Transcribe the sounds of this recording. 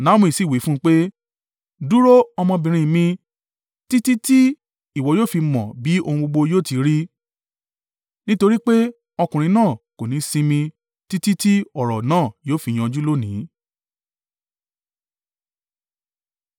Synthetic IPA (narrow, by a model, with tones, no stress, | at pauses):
nã˨˦mũ˧i˨si˦˨wi˨˦fũ˦˧k͡pe˦ | du˦ɾo˦ɔ˧mɔ̃˧bĩ˨ɾ̃ĩ˧mĩ˧ | ti˦ti˦ti˦ | i˦˨wɔ˨joː˦˨fi˧mɔ̃˨bi˨˦ʔo˧hũ˧ɡ͡bo˧ɡ͡bo˧joː˦˨ti˨˦ɾi˦ | nĩ˦to˧ɾi˦k͡pe˦ | ɔ˧kũ˨ɾĩ˧˦nãː˦˨ko˨nĩ˨˦sĩ˧mĩ˧ | ti˦ti˦ti˦ɔ˦˨ɾɔ˨nãː˦˨joː˦fi˧˨j̃ɔ̃˧d͡ʒu˦lo˦nĩ˨˦